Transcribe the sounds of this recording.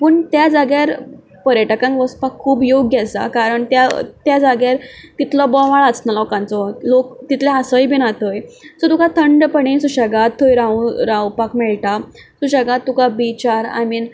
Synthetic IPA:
pəɳt̪jad͡zaɡjaɾ | pəɾjəʈəkãŋkʋəspakʰːuːbjoɡjɛsa̰kaɾəɳt̪jat̪jad͡zaɡjaɾt̪it̪lɔbɔʋaɭət͡snalɔkãnt͡sɔt̪lokt̪it̪leasəjbʱinat̪ojsɔt̪ukat̪ʰəɳɖpəɳisuɕaɡat̪ʰːojɾãũɾawpakmɛɭʈa | suɕaɡat̪ːukabit͡ɕaɾa̰min

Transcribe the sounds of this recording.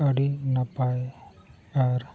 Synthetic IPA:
ɐɽinɐpa | aɾ

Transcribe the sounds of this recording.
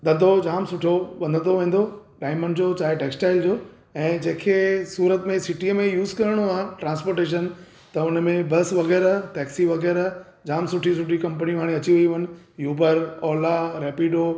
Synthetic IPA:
ɗ̪ɐ̃nd̪ʱod͡ʑaːmsʊʈʰoʋɐ̃nd̪ʱə̃noʋẽːn̆d̪oɖaːɪməɳɖd͡ʑoːt͡ɕaːɦeʈeːksʈaːɪld͡ʑoː | ɛ̃ːd͡ʑẽːkʰesuːɾət̪mẽsɪʈiəmẽjuːzkɐɾəɽ̃oãːʈɾãːnspoːɾʈeːʃ̬ən | t̪ɐʊnəmẽbɐsʋɐɣɛːɾəɦʈɛːksiʋɐɣɛːɾə | d͡ʑaːmsʊʈʰisʊʈʰikɐ̃mpənĩɦaːɽ̃ĩɐt͡ɕiʋuiʋɐnɪ̆ | juːbəɾɔːlaɾɛːpiːɖoː

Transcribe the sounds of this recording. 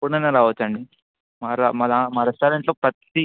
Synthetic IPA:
unɐneɾaːʋɐt͡ʃːɐɳɖi | maːɾamɐlamaɾesʈɐːɾeɳʈloːpɾɐt̪i

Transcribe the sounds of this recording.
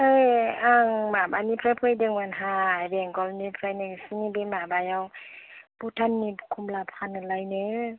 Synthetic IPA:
ɯjaŋmabanipʰɾapʰɯjdɯŋmanɦaajbeŋɡɔlnipʰɾajnɯsinibemabajawbutʰanːikʰumlapʰanɯlajnɯ

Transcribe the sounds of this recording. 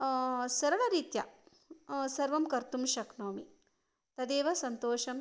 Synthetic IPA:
sɐɾɐɭɐɾiːt̪jɐ | sɐɾʋɐmkɐɾt̪umʃɐknoːmi | t̪ɐd̪eːʋɐsɐnt̪oːʃɐm

